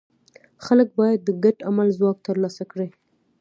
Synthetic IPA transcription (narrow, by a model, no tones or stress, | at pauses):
xalək̚bɑjad̪ːəɡaʈamalzwɑk̚t̪əɾlɑsakɽi